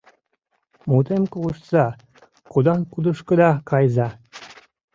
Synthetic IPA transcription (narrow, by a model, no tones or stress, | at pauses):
mut̪emkuʃsɑ | kud̪ɑŋkud̪uʃkɤ̆d̪ɑkʰɑjzɑ